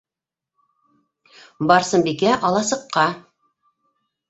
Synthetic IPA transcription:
bɑɾsɤnbikæʔɑlˠɑsɤ̆qːɑ

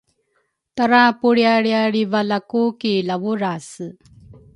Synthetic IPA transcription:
t̪aɾapuɭjaɭjaɽivalakukilawuɾasɨ

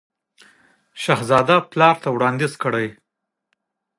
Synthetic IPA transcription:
ʃaɦzɑd̪aplɑɾt̪awɽɑnd̪izkəɽaj

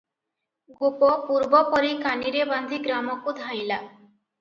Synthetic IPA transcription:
ɡupɔpuɾbɔpɔɾikaniɾeband̪ʱiɡɾamɔkud̪ʱaj̃la

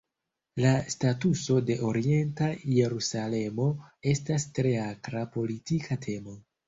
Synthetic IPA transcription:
lastatuso̞de̞ʔo̞ɾie̞ntaje̞ɾusale̞mo̞e̞stastɾe̞akɾapo̞litikʰatʰe̞mo̞

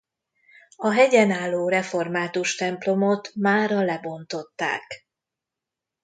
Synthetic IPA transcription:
ɒɦɛɟɛnaːlːoːrɛfo̞rmaːt̪uʃt̪ɛmplo̞mo̞t̪maːɾɒlɛbo̞nt̪o̞t̪ːa̰ːk

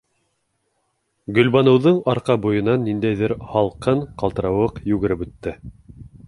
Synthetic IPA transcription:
ɡɵ̆lβɑnɤ̆wðɤɴɑɾqɑbujɤ̆nɑnːind̪æjðɘɾhɑlˠqɤɴqɑlˠt̪ɤ̆ɾɑwɤqjʉɡɘ̆ɾɘpʉt̪ːɘ

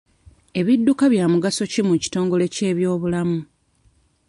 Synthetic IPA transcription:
e̞βidːukaβjaːmuɡaso̞cimuci̥to̞ːŋɡo̞le̞ce̞ːβjo̞ːβulamu

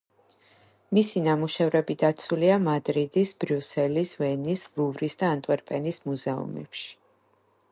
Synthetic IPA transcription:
misinamuʃɛvɾɛbid̪at̪sʰuliamad̪ɾid̪isbɾjusɛlisvɛnislˠuvɾisd̪aːnt̪ʼwɛɾpʼɛnismuzɛṵmɛ̰pʃi̥

